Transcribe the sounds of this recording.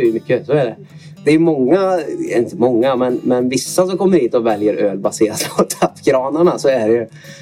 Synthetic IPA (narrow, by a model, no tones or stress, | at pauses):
jmʏkːəsɔɛɖɛ | d̪ɛːjɵmɔŋːaɪnt̪əmɔŋːamɛnmɛnvɪsːasɔkʰɔmːəɾhiːt̪ɔvɛljəɾʔøːlbaseːɾaspʰɔt̪ʰafːɡɾɑːnaɳasɔæɖɛjɵ